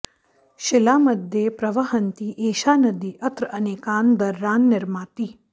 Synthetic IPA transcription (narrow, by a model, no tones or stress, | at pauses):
ʃɪlaːmɐd̪ʱjepɾɐʋɐɦənt̪iːʔeːʃaːnəd̪iːʔɐt̪ɾɐneːkaːnd̪ɐɾːaːnːɪɾmaːt̪i